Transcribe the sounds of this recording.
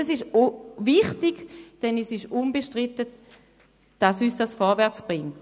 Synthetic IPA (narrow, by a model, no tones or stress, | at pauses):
ɛsɪʃviχtiɡd̥ɛnɛsɪʃunbeʃtʁitə | d̥asyːsd̥asfɔɐvɛɐt͡sb̥ʁɪŋt